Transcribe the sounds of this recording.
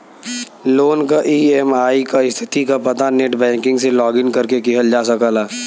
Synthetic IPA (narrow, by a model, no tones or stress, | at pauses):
loːnkaʔiːɛmaːikaɪst̪ʰɪ̥t̪ikapɐt̪aneʈbɛ̃ːŋkɪ̃ŋɡselɔːɡɪnkɐɾkekɪɦəld͡ʒaːsəkəlaː